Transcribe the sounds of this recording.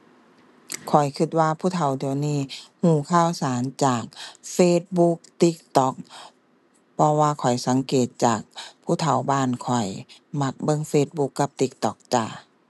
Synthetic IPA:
kʰɔ˨˩jkʰɯ˧˩t̪̚waː˧pʰuː˧˥˩t̪ʰa˧˦wdiː˨˩əwniː˧˥˨hũː˧˩kʰaː˧˥˨wsaː˨˦nt͡ɕaː˨˩k̚feː˧˩t̪̚bu˧˦k̚t̪i˧˥k̚t̪ɔ˧˦k̚ | pʰɔ˧waː˧˨kʰɔ˨˩jsa˨˦ŋkeː˨˩t̪̚t͡ɕaː˨˩k̚pʰuː˧˥˨t̪ʰa˨˩wbaː˧˥˨nkʰɔ˨˩jma˧˩k̚bɤ˧˨ŋfeː˧˩t̪̚bu˧kːa˧˦p̚t̪i˧˦k̚t̪ɔ˧˩k̚t͡ɕa˧˩

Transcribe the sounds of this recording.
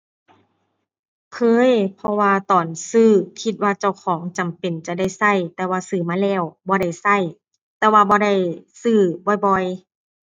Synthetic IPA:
kʰɤː˧˥˨jpʰɔ˧waː˧t̪ɔː˨˩nsɯː˧˩kʰi˧t̪̚waː˧t͡ɕa˧˩wkʰɔː˩˦ŋt͡ɕa˨˩mpe˨˩nt͡ɕa˧˨da˥˩˨jsa˧˩jt̪ɛː˧waː˧sɯː˧˩maː˧˥˨lɛː˧˩wbɔː˧ɾa˧˥˩jsa˧˩j | t̪ɛː˧waː˧bɔː˧˦ɾa˧˥˩jsɯː˧˩bɔː˧˩jbɔ˧j

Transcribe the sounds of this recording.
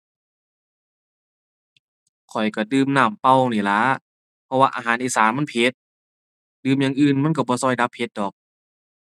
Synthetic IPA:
kʰɔ˨˩jka˧˩dɯː˧˩mnaː˧˩mpa˧˨wniː˨˩la˨˦ | pʰɔ˧waː˧ʔa̰ː˧ɦaː˨˦nʔiː˧˩saː˨˦ma˧˥˨pʰe˧˥t̪̚ | dɯː˧˩˨mjaː˧˨ŋʔɯː˧˩˨nma˧˥˨nk̬a˧˩bɔː˧˦sɔː˧˩jda˧˦pʰhe˧t̪̚dɔː˨˩k̚

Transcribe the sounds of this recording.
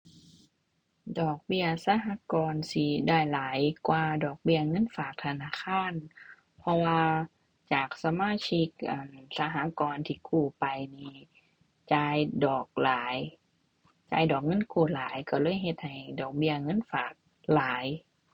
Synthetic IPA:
dɔː˨˩k̚bi˧ɐsa˧˥ɦaː˧˥kɔː˧nsi˧˩daː˧˥˩jlaː˨˦jkwaː˧dɔː˨˩k̚bi˧˩ɐŋɤ˧˥˨nfaː˨˩k̚t̪ʰa˧naː˧˥˨kʰaː˧˥˨n | pʰɔ˧waː˧ | t͡ɕaː˨˩k̚sa˧maː˧˥˨t͡ɕʰi˧˥k̚ʔaː˨˩nsa˧ɦaː˧˥kɔː˧nt̪ʰiː˧˩kʰuː˧˩pa˨jniː˧ | t͡ɕaː˧jdɔː˨˩k̚laː˨˦j | t͡ɕaː˧jdɔː˨˩k̚ŋɤ˧˥˨nkʰuː˧˩laː˨˦jkɔ˧˩lɤː˧˥˨jɦe˧t̪̚ha˨˩jdɔː˨˩k̚bi˧ɐŋɤ˧˥˨nfaː˨˩k̚ | laː˨˦j

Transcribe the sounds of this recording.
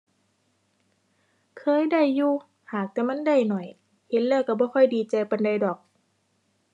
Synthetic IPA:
kʰɤː˧˨jda˧˩˨jːuː˧ | haː˨˩k̚t̪ɛː˧˩ma˧˥˨nda˧˩˨jnɔ˨˩j | he˧˦nlɤː˧˩˨kːa˧˩bɔː˧˦kʰɔ˧˩jdiː˧˩t͡ɕa˧pa˧˨nda˧˩jdɔː˨˩k̚

